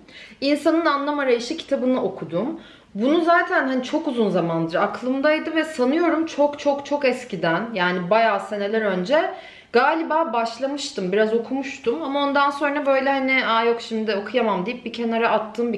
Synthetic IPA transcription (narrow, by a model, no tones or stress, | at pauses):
insanɯnanlˠamaɾajɯʃɯcʰi̥t̪ʰabɯnɯʔo̞kʰud̪um | bunuzaːt̪ʰænhanit͡ʃʰo̞kuzunzamand̪ɯɾaklˠɯmd̪ajid̪ɯvɛsanɯjo̞ɾumt͡ʃʰo̞kt͡ʃʰo̞kt͡ʃʰo̞kɛscid̪ænjaːnibajaːse̞ne̞lʲæɾø̞nd͡ʒɛ | ɡ̥aːlʲibaːbaʃlˠamɯʃt̪ʰɯmbiɾazo̞kʰumuʃt̪ʰumamao̞nd̪anso̞nɾabø̞jlʲɛhaniajo̞kʃimd̪ɪo̞kʰujamamd̪ijip̚bicʰe̞naɾaat̪ʰːɯːmbi